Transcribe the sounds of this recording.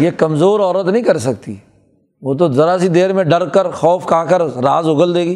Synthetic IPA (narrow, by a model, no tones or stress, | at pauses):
jekɐmzoːɾɔːɾət̪nɐɦĩkɐɾsɐk̚t̪ḭː | ʋoːt̪̬ozɐɾasid̪eːɾmẽɖɐɾkɐɾxɔːfkaːkəɾɾaːzʊɡəld̪eːɡiː